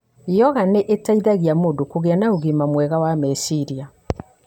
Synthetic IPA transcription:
jɔɣaneʔetaiðaɣeamoːdokoɣeanaoɣimamwɛɣawamɛsiɾia

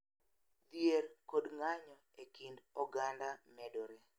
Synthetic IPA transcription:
d̪jerkodŋaɲɔ | ekindɔɡandamɛdoɾe

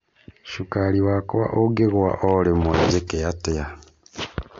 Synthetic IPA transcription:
ʃukaliwakoβa̰ʔoɡeɣwa̰ʔolemweɟekejateja

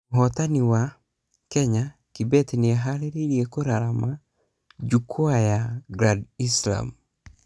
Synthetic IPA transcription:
ɦɔt̪aniwa | kɛɲakibɛt̪niɛɦaɾeɾeɾjekoɾaɾama | d͡ʒukʰoajaɡɾadisla̰m

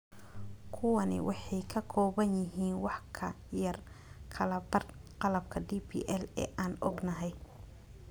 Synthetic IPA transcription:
kʰʊwɐnɪ̰wʔɑħɑjkʰɐkʰɔːβɐnjɪɦiːnwɑħkʰɐ | jɐr | kʰɐlɐbɐrqɑlɐb̚kʰɐdipʰḭʔɛlɛ̰ːʔaːnɔ̰ɡnɐɦɛj

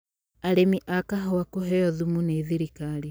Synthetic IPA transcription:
aɾemiʔakaɦɔwakoɦɛjɔðumuneðiɾikali

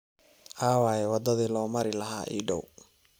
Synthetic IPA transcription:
ʔaːwaːjɛwɑd̪ɐðiːlɔːmɐɾɪlɐɦa̰ːʔḭːɖɔw

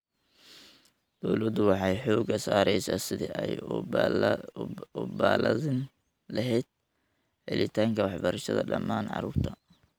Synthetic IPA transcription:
d̪̥ɔwlɐd̪ʊwɑħɑjħɔːɡɐsaːɾɛjsaːsɪðḭʔɛj | ʊba̰ːlɐðɪn | lɐɦɛjd̪̚ | ħɪ̰lɪt̪ʰaːŋkʰɐwɑħbɐɾɐʃɐðɐ̰ɖɐ̰mːaːnʕɑ̰ɾuːrt̪ʰɐ

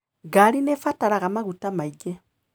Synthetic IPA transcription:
ɡaɾinefataɾaɣamaɣutamaiɡɛ

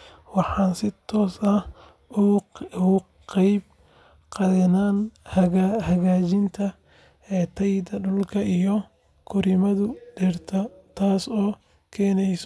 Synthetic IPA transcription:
wɑħɑːnsɪt̪ʰɔːsɐh | ʊʊ | qɛjb̚ | qɑðɐnaːnhɐahɐɣaːt͡ʃɪnt̪ʰɐː | t̪ʰɐjd̪ɐɖʊlkʰɐijɔ | kʰʊɾɪmɐðʊdɛrt̪ʰɐt̪ʰaːsɔː | kʰɛːnɛjs

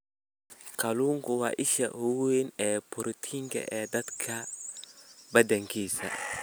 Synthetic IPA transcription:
kɐluŋkuwa̰ʔiʃɐ̰huenɛpʊɾt̪ʰiŋkɛ̰ʔɛd̪ɐt̪kʰɐ | bɐdɛŋkisɐ̰

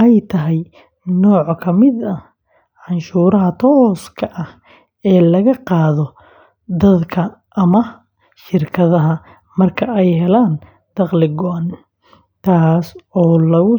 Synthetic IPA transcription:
ɛjt̪ʰɐɦɛj | nɔːʕkʰɐmɪd̪ɐ | ʕɑnʃuːɾɐɦɐt̪ʰɔːskʰɐʔɐh | ɛːlɐɣɐqɑːðɔ | d̪ɐd̪kʰɐː | mɐ | ʃɪrkʰɐðɐɦɐ | mɐrkʰɐɛjɦɛlaːn | d̪̥ɑqlɪɡɔʔɐn | t̪ʰaːsɔːlɐɣʊ

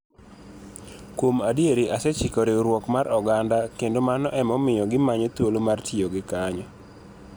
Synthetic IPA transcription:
kwomadjeɾiʔasɛt͡ʃɪkɔɾeɾwɔkmaɾʔɔɡandakendomanɔʔɛmɔmɪjɔɡɪmaɲɔt̪wolomartʰioɡɪkaɲɔ

